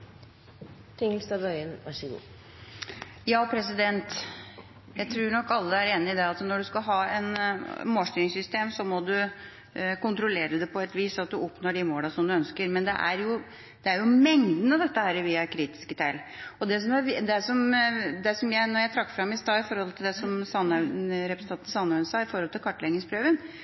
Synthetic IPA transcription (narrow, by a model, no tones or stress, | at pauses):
t̪ʰɪŋəlst̪ɑbœʏənʋɑʂəɡṵː | jɑːpʰɾɛs̬ɪd̪ɛnt̪ | jæɪt̪ʰɾʉːɳɔkːɑlːəæɾeːnɪɪd̪ɛɑt̪nɔɖʉskɑɦɑːɛnmoːlst̪iːɾɪŋsʏst̪eːmsɔmɔd̪ʉ | kʊnt̪ɾʊleːɾəd̪ɛpʰɔɛt̪ʋiːsɑt̪̚d̪ʉɔpnoːɖɪmoːlɑsɔmd̪ʉœnskəɾmɛnd̪ɛ̰ʔæɾjʊ | d̪̥ɛæɾjʊmɛŋd̪ən̩ɑʋd̪ɛt̪ːəhæːɾəʋɪɑkʰɾiːt̪ɪ̥skət̪ʰæɪlɔd̪ɛs̬ɔmæɾd̪ɛsɔmd̪ɛsɔmjæɪnɔɾjæɪt̪ʰɾɑkːfɾɑmːɪst̪ɑːɪfɔɾhɔlt̪ʰɪld̪ɛsɔmsɑnɾɛpɾɛsnɑnt̪n̩sɑnːɑənsɑːɪfɔɾhɔlt̪ʰɪlkʰɑʈːlɛɡnɪŋspʰɾøːʋən